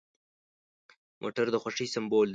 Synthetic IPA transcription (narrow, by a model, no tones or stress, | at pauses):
mʔo̰ʈaɾd̪əxwaʂisambold̪